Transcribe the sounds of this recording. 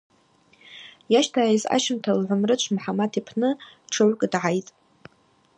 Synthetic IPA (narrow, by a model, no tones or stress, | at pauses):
jaʃtʰaiza̰ʃɪmtʰalʕʷʊmrɨt͡ʃʷʰmħamatʰipʰnɨʈ͡ʂʰaɥʷkʼdʕajtʼ